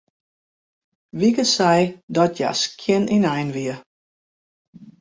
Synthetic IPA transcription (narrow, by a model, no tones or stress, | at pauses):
ʋikəsɛjdɔtja̰skʰjɪninɛjnʋiə